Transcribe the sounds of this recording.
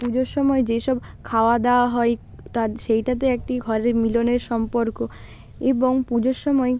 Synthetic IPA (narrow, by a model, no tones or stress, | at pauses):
pud͡ʑoɾʃɔmɔed͡ʑeʃɔb | kʰaoad̪eoaɦɔe | t̪aʃejʈat̪̬eek̚ʈiɡʱɔɾeɾmiloneɾʃɔmpoɾko | eboŋpud͡ʑoɾʃɔmɔe